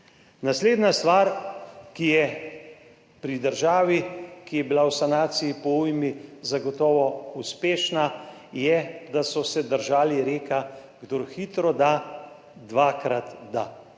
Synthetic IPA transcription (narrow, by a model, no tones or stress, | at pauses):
nasleːd̪nast̪ʋaɾkijɛ | pɾid̪əɾʒaːʋikijɛbilawsanaːt̪sijipɔujmizaɡɔt̪ɔːʋɔuspeːʃna | jɛd̪asɔsɛd̪əɾʒaːliɾeːka | ɡd̪oɾxiːt̪ɾɔd̪a | d̪ʋaːkɾat̪d̪a